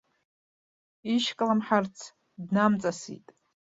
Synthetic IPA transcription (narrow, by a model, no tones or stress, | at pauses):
iʃkʼlamħart͡sʰ | dnamt͡sʼasḭtʼ